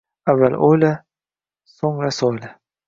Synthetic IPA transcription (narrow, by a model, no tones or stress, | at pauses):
avːalʔojla | soŋɾasɒjla